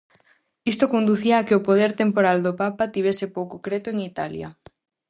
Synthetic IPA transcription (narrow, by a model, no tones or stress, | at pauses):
ist̪okond̪uθiaːkɪopoð̞eɾt̪empoɾald̪opapat̪iβ̞esɪpowkokɾet̪oeŋit̪alja̰